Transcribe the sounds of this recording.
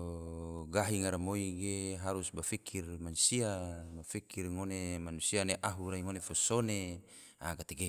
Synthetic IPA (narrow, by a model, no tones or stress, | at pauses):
ɡaɦiŋaɾamoiɡeɦaɾusbafikʰirmanusiamafikirŋonemanusianeʔaɦuɾaiŋonefosone | aɡat̪eɡe